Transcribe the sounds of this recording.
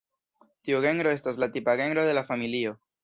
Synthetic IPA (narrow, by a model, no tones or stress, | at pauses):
tioɣe̞ŋɾo̞e̞staslatipaɣe̞ŋɡɾo̞ðe̞lafamilio̞